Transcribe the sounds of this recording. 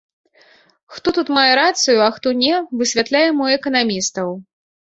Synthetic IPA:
xt̪ɔt̪ut̪majɛɾat̪sɨjuɐxt̪ɔnʲɛvɨsʲvʲat̪lʲajɛmɔɛkɐn̪amʲist̪ɐw

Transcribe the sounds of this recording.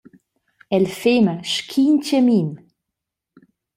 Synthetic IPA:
ɛlfeməʃkʰiɲt͡ɕəmin

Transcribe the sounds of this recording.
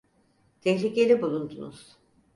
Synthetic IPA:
t̪ʰeɦʃicelʲibulˠund̪unṵz̥

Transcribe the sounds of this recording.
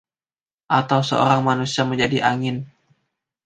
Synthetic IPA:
ʔat̪awsə̰o̰ɾaŋmanusiaməɲd͡ʒadiʔaŋɪn

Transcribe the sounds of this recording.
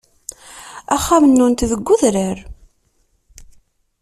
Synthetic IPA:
æχːamənːunt̪ðəɡʷːʊðɾəɾ

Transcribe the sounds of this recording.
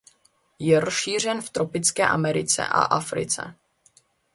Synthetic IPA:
jɛɾosʃiːr̝ɛnft̪ɾo̞pɪt͡skɛːʔamɛɾɪt͡sɛ̰ʔa̰ʔafɾɪ̰t͡sɛ̰

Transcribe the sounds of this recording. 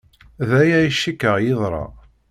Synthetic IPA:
ðæjæjiʃːikːəʁjɪðˤɾˤɑ̰

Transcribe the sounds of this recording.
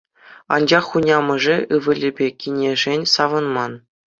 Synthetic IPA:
ɑ̰nd͡ʑɑχːunʲɑmɤ̆ʐɘɯʋɘ̆lʲɘ̆bʲekʲinʲeʐenʲsɑʋɤ̆nmɑn

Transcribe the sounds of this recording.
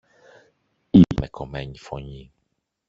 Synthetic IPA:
imɛkʰomɛɲifoɲi

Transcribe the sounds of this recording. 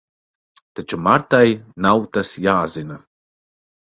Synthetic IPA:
t̪at͡ʃumaɾt̪ajnawt̪asjaːzina

